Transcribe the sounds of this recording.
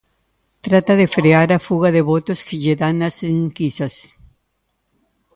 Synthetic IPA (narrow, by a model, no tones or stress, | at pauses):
t̪ɾat̪aðefɾeaɾafuɣaðeβot̪oskeʝeðanaseŋkisas